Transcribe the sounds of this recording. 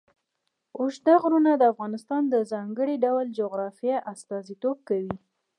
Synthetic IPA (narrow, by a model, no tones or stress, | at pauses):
ʊʃd̪aɣɾunad̪əafɣɑnɪst̪ɑnd̪əzɑŋɡəɽiɖawld͡ʒoɣɾɑfijaʔast̪ɑzit̪ob̚kawi